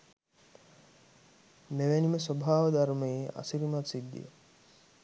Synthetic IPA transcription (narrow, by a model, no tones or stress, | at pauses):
meʋæniməsobʱaːʋəd̪aɾumejea̰siɾimat̪sid̪ːḭə̰